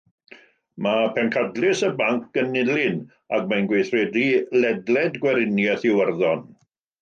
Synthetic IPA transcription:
mapʰɛnkʰadlˠɪsəbaŋkʰɡənɪlɪn | ak̚manɡwejθrɛdilɛdlɛdɡwɛɾɪnjɛθɪwərðɔn

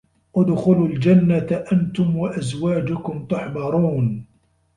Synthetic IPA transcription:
ʔʊd̪xʊlʊld͡ʒanːaʔant̪ʊmwaʔazwaːd͡ʒʊkʊmt̪ʊħbɑɾˤuːn

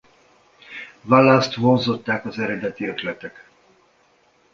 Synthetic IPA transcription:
valːaːst̪honzo̞t̪ːaːkɒzɛɾɛd̪ɛt̪iøt̪lɛt̪ɛk

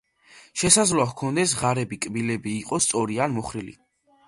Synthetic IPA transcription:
ʃɛsad̪zlˠahkʰɔnd̪ɛsʁaɾɛbikʼbilɛbiːqʼɔst̪sʼɔɾianmɔχɾilḭ

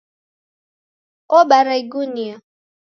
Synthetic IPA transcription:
obaɾaiɡunia

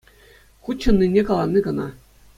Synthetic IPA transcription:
χut̪ʲt͡ɕːɤ̆nːinʲːekɑlˠɑnʲːiɡɤ̆nɑ

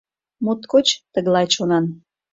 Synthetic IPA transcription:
mot̪kot͡ɕt̪əɣlɑjt͡ɕonɑn

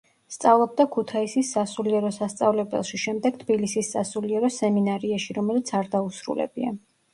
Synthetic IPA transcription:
st̪sʼavlˠɔb̚d̪akʰut̪ʰaisisːasuliɛɾɔsast̪sʼavlɛbɛ̰lˠʃiʃɛmd̪ɛɡ̥̚t̪ʰbilisisːasuliɛɾɔsɛminaɾiaʃiɾɔmɛlit̪sʰaɾd̪ausɾṵlɛ̰bia̰

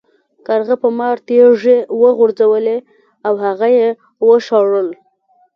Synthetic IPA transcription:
kaɾɣapəmɑɾt̪eʐewəɣʊɾd͡zawəle | awhaɣaje | wəʃɑɽəl

